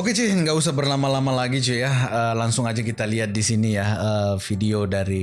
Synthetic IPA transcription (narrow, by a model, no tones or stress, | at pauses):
oket͡ʃɪhŋɡaus̬ahbərnamalamalaɡit͡ʃujaəːlaŋsʊŋad͡ʒak̬it̪aliɦat̪̚disinijaəːfideodaɾi